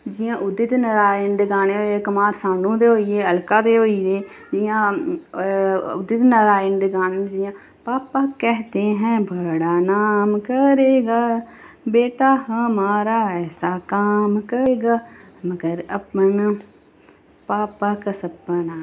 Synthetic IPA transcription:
d͡ʒɪjãːʔʊd̪ɪt̪nəɾaːɪnd̪ɪɡaːneːɦoːeːkəmaːɾsãːnũːd̪eːɦoːiːeːəlkaːd̪eːɦoːiːd̪eː | d͡ʒɪjãː | ʊ̰d̪ɪt̪nəɾaːɪnd̪ɪɡaːnend͡ʒɪjãː | paːpaːkɛːɦt̪eːɦɛ̃ːbəɽaːnaːmkəɾeːɡaː | beːʈaːɦəmaːɾaːɛːsaːkaːmkəːɡaː | məɡəɾəpən | paːpaːkəsəpːənaː

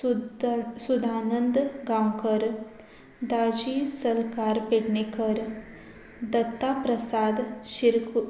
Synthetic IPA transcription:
sud̪ʱaːnə̃nd̪ɡãwkəɾ | d̪aːd͡ʒisɐlkaːɾpeɽnekəɾ | d̪ɐt̪ːaːpɾɐsaːd̪ʃiɾk

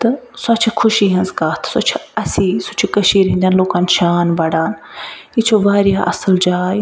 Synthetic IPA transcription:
t̪ɐsɐt͡ʃʰkʰʊʃiːɦɐnzkaːt̪ʰsʊt͡ʃʰɐsiːsʊt͡ʃʰkɐʃiːɾɦĩnd̪jaːnloːkaːnʃaːnbɐɽaːnit͡ʃʰoʋaːɾjaːʔɐsəld͡ʒaːj

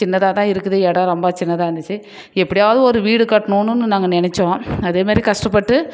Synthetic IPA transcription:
ɪnːɐt̪aːt̪ãːɪɾɯkːɯðɯɛɽɐ̃ːɾɔmbaːt͡ʃɪnːɐt̪ãːɐnd̪ɯt͡ʃːɯ | ɛpːɐɽɪjaːʋɐðɯɔɾɯʋiːɽɯkɐʈːɐɳoːnɯnːɯnaːŋɡɐnɪnɛt͡ʃːõːɐðeːmaːɾikɐʂʈɐpːɐʈːɯ

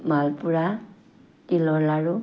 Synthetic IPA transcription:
malpuɹa | kilɔlaɹʊ

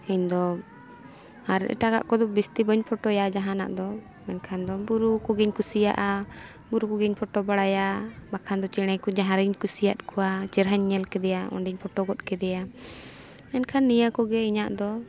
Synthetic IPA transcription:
ɛɲd̪ɔ | aɾɛ̰ʔɛ̰ʈaka̰ʔkɔd̪ɔbist̪ibəɲpʰɔʈɔjad͡ʒaɦana̰ʔd̪ɔ | mɛnkʰand̪ɔbuɾukɔɡiɲkusija̰ʔa | buɾukɔɡiɲpʰɔʈɔbaɽajabakʰand̪ɔt͡ʃɛɽ̃ɛkɔd͡ʒaɦaɾiɲkusijat̪̚kɔwat͡ʃɛɾɦaɲːɛlkɛd̪ɛjaɔ̰ɳɖiɲpʰɔʈɔɡɔt̪̚kɛd̪ɛja | mɛnkʰanːijakɔɡɛiɲaʔd̪ɔ

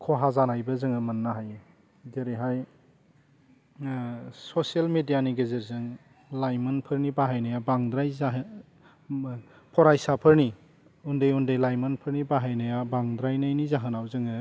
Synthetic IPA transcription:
kʰɔɦazanajbɐzɯŋɯmɐnːaɦaj | zeɾiɦaj | sosielmedijaniɡɯzeɾzɯŋ | lajmɯnpʰɯɾnibaɦajnajabaŋdɾajzaɦ | pʰɔɾajsapʰɯɾni | undɯjundɯjlajmɐnpʰɯɾnibaɦajnajabaŋdɾajnajnizaɦɯnawzɯŋɯ

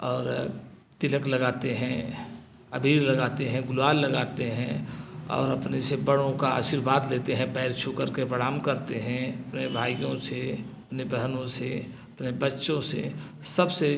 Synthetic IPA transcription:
ɔːɾ | t̪ɪləkləɡaːt̪eɦɛ̃ | əbʱiːɾləɡaːt̪eɦɛ̃ɡʊlaːlːəɡaːt̪eɦɛ̃ɔ̰ːɾɐpnesebəɽõkaa̰ːʃiɾbaːd̪leːt̪eɦɛ̃pɛːɾt͡ʃʰukəɾkepəɽaːmkəɾt̪eɦɛ̃ɐpnebʱaːijõseɐpnebəɦnõseɐpnebətːʃõsḛ | səbse

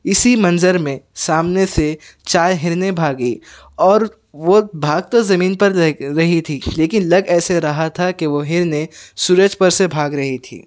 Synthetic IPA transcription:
ɪsimɐ̃nzəɾmẽsaːmneset͡ʃaːjɦɪɾnebʱaːɡiː | ɔːɾ | ʋobʱaːɡ̚t̪ozɐmiːnpɐɾɾɐɦit̪ʰiːleːkɪnlɐɡɛːseɾɐɦat̪ʰakeʋoɦɪɾnesuːɾəd͡ʒpɐɾsebʱaːɡɾɐɦit̪ʰḭː

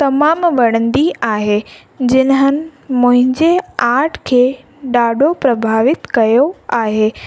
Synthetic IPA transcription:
t̪ɐmaːmʋɐɽ̃ə̃nd̪iaːɦeː | d͡ʑɪnəɦənɪ̆mʊ̃ɦɪ̃ɲd͡ʑeaːɾʈʰkʰeː | ɗaːɖʱopɾɐbʱaːʋɪt̪kɐjoaːɦeː

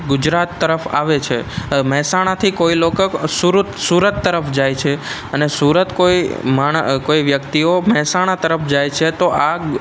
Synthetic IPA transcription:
ɡʊd͡ʒɾat̪ːəɾəfa̰ʋet͡ʃʰemɛɦsaɽ̃at̪ʰikoiloksuɾut̪suɾət̪ːəɾəfd͡ʒajt͡ʃʰe | ənesuɾət̪koimaɳ̃koiʋjəkt̪iomɛɦsaɽ̃at̪əɾəfd͡ʒajt͡ʃʰet̪oʔa

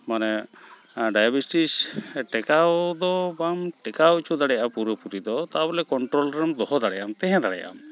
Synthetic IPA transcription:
manɛ | ɖajabisʈisʈɛkawd̪ɔbamʈɛkawt͡ʃʰud̪aɽɛjaapuɾəpuɾid̪ɔt̪abɛlɛkɔɳʈɾɔlɾɛmd̪ɔɦɔd̪aɽɛjamt̪ɛɦɛ̃d̪aɽɛ̰ja̰m

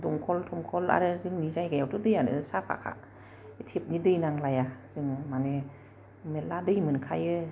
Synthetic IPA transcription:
dɔŋkʰɔltʰɔmkʰɔla̰ɾɯzɯŋnizajɡajawtʰɯdɯjanɯ̰ɯsapʰa̰kʰa̰ | tʰep̚nidɯjnaŋlajaz̥ɯŋmane | metladɯjmɯnkʰajɯ

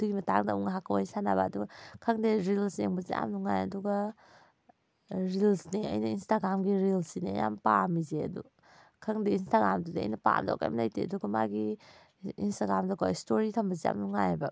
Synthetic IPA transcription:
d̥uimɐtaŋdauŋɦakʰawajsanabaːduɡɐkʰaŋdeɾilseŋbɐzia̰mnuŋajɐduɡɐ | ɾilsneɐ̰jnɐinstaɡɾamɡiɾilsineɐja̰mpamizeɐ̰du | kʰɾaŋdeinstaɡamdudiɐ̰jnɐpa̰mda̰wka̰mlajteɐduɡɐma̰ɡiː | nstaɡɾamdakʰawstoɾitʰambɐzia̰mnuŋajba

